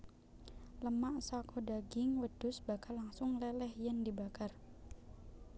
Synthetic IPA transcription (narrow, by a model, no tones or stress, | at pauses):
ləmaʔsakʰodaɡɪŋwəd̥ʊsbakalaŋsʊŋlɛlɛhjandibakar